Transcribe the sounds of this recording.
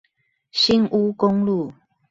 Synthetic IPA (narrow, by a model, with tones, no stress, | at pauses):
ɕi˦nʔu˦ko˦ŋlu˥˨